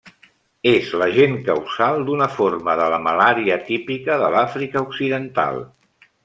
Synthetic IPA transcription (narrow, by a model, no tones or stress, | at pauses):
ezləʒeŋkəwzalˠd̪unəforməðələməlaɾiət̪ipikəðəlafɾikəuksiðənt̪a̰lˠ